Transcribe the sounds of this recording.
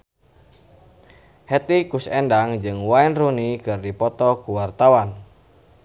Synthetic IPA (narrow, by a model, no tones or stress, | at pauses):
hɛt̪ikusɛndaŋd͡ʒɨŋwainrunikɨrdipɔt̪ɔkuwart̪awan